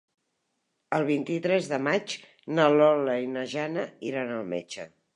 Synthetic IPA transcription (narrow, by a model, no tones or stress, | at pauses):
əlˠβ̞int̪it̪ɾɛzðəmat͡ʃ | nəlɔləinəʒanəiɾanəlˠmḛt͡ʃə